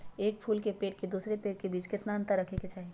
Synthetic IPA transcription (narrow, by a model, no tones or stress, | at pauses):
eːk̚pʰuːlkepeːʈ̚ked̪uːsɾepeːʈ̚kebiːt͡ʃkɪt̪naɐ̃nt̪əɾːɐkʰeket͡ʃaːɦie